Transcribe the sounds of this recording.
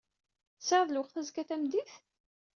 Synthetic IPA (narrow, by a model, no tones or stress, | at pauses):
səɾðˤlwəqθæzkæθæmd̪iθ